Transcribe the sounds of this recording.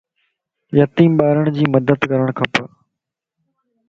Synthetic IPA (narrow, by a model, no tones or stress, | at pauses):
jət̪iːmɓaːɪɾəɽ̃d͡ʑiːməd̪əd̪kəɾəɽ̃kʰɐpə